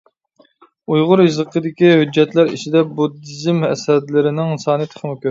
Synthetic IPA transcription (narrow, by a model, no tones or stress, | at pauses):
ujʁʊɾɨzəqʰəd̪ɪkʲihyd͡ʒːɛt̪læɾit͡ʃʰid̪ɛbud̪ɨzɪmhɛ̰sɛd̪lɪɾɪnɪŋsɑːnɨt̪ʰə̥χʰəmʊkʲʰøɾ